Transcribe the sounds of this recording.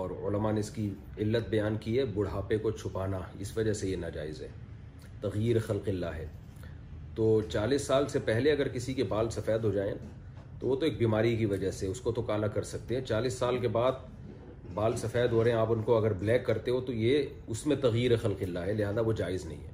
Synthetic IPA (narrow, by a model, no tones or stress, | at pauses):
ɔːɾʊləmaneɪski | ɪlːət̪̚bɐjaːnkiɦɛːbʊɽ̤aːpekot͡ʃʰʊpaːnaɪsʋɐd͡ʒəɦsejenad͡ʒa̰ːɪzɦɛ̰ː | t̪ɐɣjiːɾexɐlqɪlːaɦɛː | t̪oːt͡ʃaːliːsːaːlsepɛɦleɐɡəɾkɪsikebaːlsɐfɛːd̪ɦod͡ʒaːẽ | t̪oʋot̪oeːk̚biːmaːɾik̬iʋɐd͡ʒəɦseʊskot̪okaːlakɐɾsɐk̚t̪ẽɦɛ̃t͡ʃaːliːsːaːlkebaːd̪̚ | baːlsɐfɛːd̪ɦoɾɐɦɛ̃aːpʊnkoɐɡəɾblɛːkːɐɾt̪eɦõt̪oje | ʊsmẽt̪ɐɣjiːɾexɐlqɪlːaɦɛlɪɦaːzaʋod͡ʒaːɪznɐ̰ɦḭ̃ɦɛ̰ː